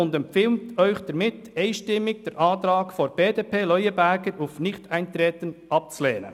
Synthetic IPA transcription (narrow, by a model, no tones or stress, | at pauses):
ʊndɛmpfɪːlmtœʏçd̥ɐɾmɪt | ɛɪʃtɪmːɪɡ̚d̥ɛɾʔɑːtɾɑːkfɔɾb̥eːdeːpʰeːlœʏəbæɾɡəɾufnɪçtæɪntɾɛːtənɑp̚t͡suleːnə̰